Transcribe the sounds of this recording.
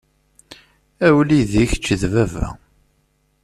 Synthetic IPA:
æwliðiçt͡ʃːðvævæ̰

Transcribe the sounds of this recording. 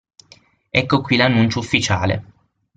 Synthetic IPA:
ɛkːokwilanːunt͡ʃoufːit͡ʃaːlḛ

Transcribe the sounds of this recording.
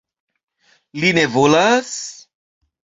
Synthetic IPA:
linevolas

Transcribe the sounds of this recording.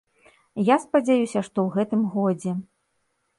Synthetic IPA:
jaspɐd͡zʲajusʲɐʂt̪ɔwɣɛt̪ɨmɣɔd͡zʲɛ

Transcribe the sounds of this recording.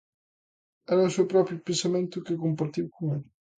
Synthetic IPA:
ɛɾasupɾɔːpɾjopensament̪ʊkekːompart̪ivkomɛ

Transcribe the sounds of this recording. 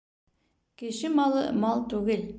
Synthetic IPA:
kɘ̆ʃɘmɑlˠɤ̰mɑlˠt̪ʉɡɘl

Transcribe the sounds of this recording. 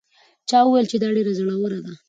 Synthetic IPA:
t͡ʃɑuwajlt͡ʃed̪ɑɖeɾazəɽawoɾad̪a

